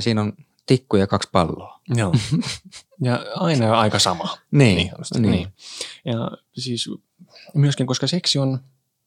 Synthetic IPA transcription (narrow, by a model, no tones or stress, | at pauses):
siːnon | t̪ikːujɑkɑkspɑlːoːjoː | jɑɑinɑɑikɑsɑmɑniːonost̪niːjɑ | siːs | myøskiŋkoskɑseksion